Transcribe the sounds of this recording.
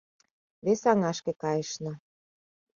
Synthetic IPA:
βesɑŋɑʃkĕkɑjə̆ʃnɤ̆

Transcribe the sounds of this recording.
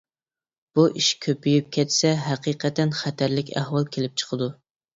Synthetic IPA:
b̥uʔiʃkʲʰøpyjip̚kʲʰɛt̪sɛɦæqiqʰɛt̪ʰɛnχæt̪ʰæɾlɪkʲæ̰hwɑlˠkʲʰelɪp̚t͡ʃʰə̥qʰəd̪u

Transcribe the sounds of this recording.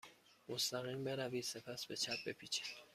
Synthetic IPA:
most̪æɣimbe̞ɾæviːse̞pʰæsbe̞t͡ʃʰæp̚be̞pʰit͡ʃʰi̥d̪̥

